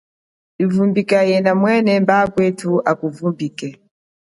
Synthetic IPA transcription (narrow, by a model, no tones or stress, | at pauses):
ivumbikajɛnamwɛnɛmbakwɛtʰuʔakuvumbikɛ